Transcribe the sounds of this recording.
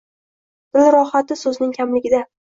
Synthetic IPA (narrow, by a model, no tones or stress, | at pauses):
d̪̥ɪlɾɒhat̪ɪsɵznɪŋkʲʰamlɪɡʲɪd̪a